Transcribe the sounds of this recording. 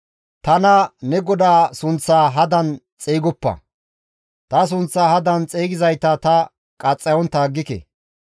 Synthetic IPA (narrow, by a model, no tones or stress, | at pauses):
t̪ɐnɐnɛɡɔd̪aːsʊnt͡sːaːɦɐd̪ɐn | t͡sʼeːɡɔpːɐ̰ | t̪ɐs̬ʊnt͡sːaːhɐd̪ɐnt͡sʼeːɡɪzɐjt̪ɐt̪ɐ | kʼɐt͡sʼːɐjɔnt̪aːɡːɪkɛ̰